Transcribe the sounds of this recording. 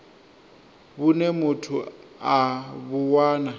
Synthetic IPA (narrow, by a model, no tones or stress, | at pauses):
bʊnɛmʊtʰʊabʊwaːna